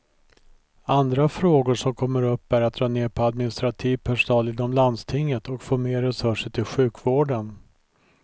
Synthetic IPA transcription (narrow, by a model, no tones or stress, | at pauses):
and̪ɾafɾoːɡʊʂɔmkʰɔmːəɾɵpːæɾat̪̚d̪ɾɑːneːɾpʰɔad̪mɪnɪst̪ɾat̪ʰiːvpʰæʂʊnɑːlɪnːɔmland̪st̪ʰɪŋːət̪ɔkfoːmeːɾɛsɵʂəʈʰɪlɧʉ̟ːkvoːɖən